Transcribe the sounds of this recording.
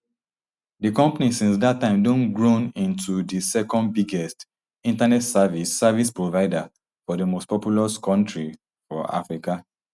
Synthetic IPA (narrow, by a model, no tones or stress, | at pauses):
dikɔ̃mpanisĩnsdatːãɪ̃mdõnɡɹõnĩntʰudisɛkɔ̃ndbiɡɛst | ĩntanɛtsavisːavispɹovaɪda | fɔdəmostpɔpjulaskʰɔ̃ntɹi | fɔ̰ʔa̰fɹika